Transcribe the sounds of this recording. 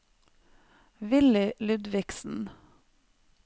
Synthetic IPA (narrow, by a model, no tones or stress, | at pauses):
ʋɪlɪlʉd̪ʋɪksn̩